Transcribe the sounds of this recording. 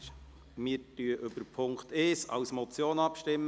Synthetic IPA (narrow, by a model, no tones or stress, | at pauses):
mɪːɾtyəʔʏbəɾpʰʊŋkt̪eːsɑ̰wsmɔt͡sjoːnɑpʃtɪmː